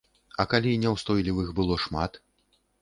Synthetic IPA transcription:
ɐkalʲinʲɛwst̪ɔjlʲiwixbɨlˠɔʂmat̪

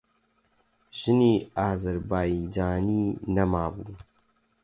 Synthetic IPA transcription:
ʒ̥ɨniːaːzɐɾbaːjid͡ʒaːniːnɐmaːbuː

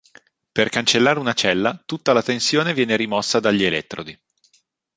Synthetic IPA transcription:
perkant͡ʃelːaːɾeunat͡ʃɛlːat̪ut̪ːalat̪ensjoːnevjɛːneɾimɔsːad̪aʎːielɛt̪ːɾod̪i

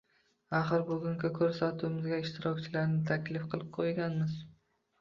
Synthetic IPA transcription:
aχɨɾbʊɡʲʊŋkʰʲʊkʰɵɾsat̪ʰʊwɪmɪzɡʲaɪʃt̪ʰɪɾɒkʲt͡ʃʰɪlaɾnɪt̪ʰakʲlɪfqɨlˠɪp̚qʰojɡʲanmɪz̥

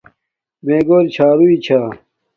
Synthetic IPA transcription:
mẽːɡoːɾt͡ɕʰaːɾuit͡ɕʰaː

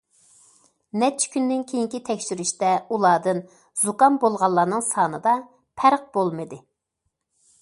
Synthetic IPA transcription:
nɛt͡ʃʰɪ̥kʲynːɪnkʲʰejiŋkʲit̪ʰɛkʲʃyɾyʃt̪ɛulˠɑːd̪ɨn | z̥ukɑmbolˠʁɑlˠːɑːnɨŋsɑːnɨd̪ɑ | pʰæɾq̚b̥olˠmɨd̪ɨ

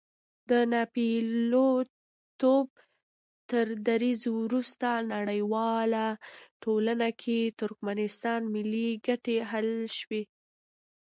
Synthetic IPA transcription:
d̪ənɑpilo | t̪ob̚ | t̪əɾd̪aɾizowɾust̪anaɽəjwɑlaʈolanakʰet̪ʊɾkmanɪst̪ɑnmɪliɡaʈeɦalʃwe

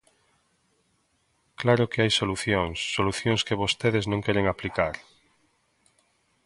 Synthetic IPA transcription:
klaɾʊkeajsoluθjoŋsːoluθjõŋskeβost̪eðeznõŋkɛɾeŋaplikaɾ

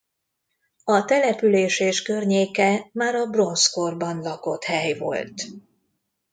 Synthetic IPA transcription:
ɒt̪ɛlɛpyleːʃeːʃkørɲeːkɛmaːɾɒbro̞nsko̞rbɒnlɒko̞t̪hɛjvo̞̰lt̪

